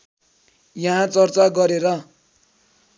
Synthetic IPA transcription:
jʌɦãt͡sʌrt͡saɡʌɾeɾʌ

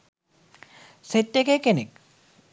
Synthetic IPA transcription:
set̪ːekekenek̚

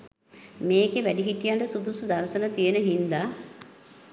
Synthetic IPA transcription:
meːɡeʋæɖiɦiʈijaɳʈəsubusud̪aɾsənət̪ijenəɦind̪a

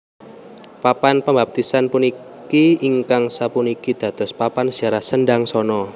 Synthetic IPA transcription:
papanpəmbap̚t̪isanpuni | kiiŋkaŋsapunikid̪̥ä̤d̪̥ɔ̤spapand͡ʒ̥a̤ɾahsənɖaŋsɔnɔ

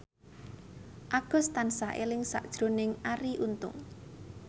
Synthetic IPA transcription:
ʔaɡ̥ɔ̤st̪ansaʔelɪŋsa̰ʔd̥ʒ̥ɾo̤nɪŋaɾiʔunt̪ʊ̰ŋ

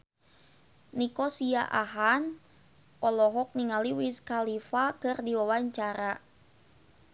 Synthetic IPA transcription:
nikɔsiaʔaɦan | ʔɔlɔɦɔk̚niŋaliwiskalifakɨrdiwawaɲt͡ʃaɾa

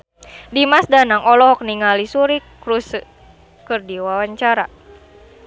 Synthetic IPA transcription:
dimasdanaŋɔlɔɦɔk̚niŋalisuɾikɾus | kɨrdiwawaɲt͡ʃaɾa̰

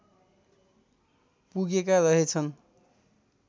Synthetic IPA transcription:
puɡekarʌɦet͡sʰʌn

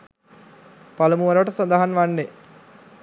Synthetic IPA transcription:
palumuʋɐɾʋɐʈəsand̪aɦanʋanːe

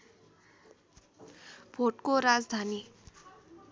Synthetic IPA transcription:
b̥ʱoʈkoɾad͡zd̪ʱani

